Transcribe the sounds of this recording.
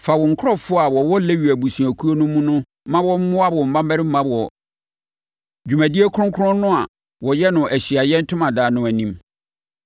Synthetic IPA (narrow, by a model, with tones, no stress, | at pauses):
fa˨wɔ˨ŋ̩˨kʰʊ˦ɔ˦fʊ˦a˨wɔ˨wɔ˦le˦ɥi˨æ˨bu˨sũ˨æ˨kʰu˦o˦nʊ̃˦mũ˦nʊ̃˦ | mã˦wɔ˦m̩˦mʊ̃˦a˦wɔ˨m̩˨bã˦m˦æ˦ɾɪ˦m̩˦mã˦bɔ˨ | d͡ʑᶣu˨mæ̃˨di˦e˦kʰʊ̃˦ŋ˦kʰʊ˦ɾʊ̃˦nʊ̃˦a˨ | wɔ˨jɛ˦nʊ̃˨ʔæ˨ɕi˨a˨jɛ̃˦n̩˦tʰʊ̃˦mã˨daː˨nʊ̃˦æ˨nĩ˦m